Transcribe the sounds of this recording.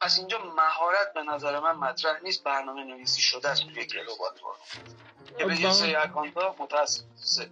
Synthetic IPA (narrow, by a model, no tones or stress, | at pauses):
æsind͡ʒɒːmæɦɒːɾæt̪̚be̞næzæɾemænmæt̪ʰɾæhniːst̪̚bæɾnɒːmeneviːsiʃod̪ææst̪ʰujecḛlobɒ̰ɾbɒ̰ɾṵ | ebed͡ʒisɒːjeækɒːnt̪ʰɒːmot̪ʰææsːefse